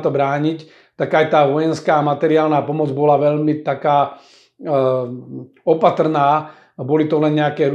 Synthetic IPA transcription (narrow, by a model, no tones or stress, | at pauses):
t̪ɔbɾaːɲic | t̪aɡajt̪aːʋɔjɛnskaːmat̪ɛɾiaːlnaːpɔmɔd͡zbɔlaʋɛʎmit̪akaː | ɔpat̪rnaː | bɔlit̪ɔlɛnɲɛakɛːɾu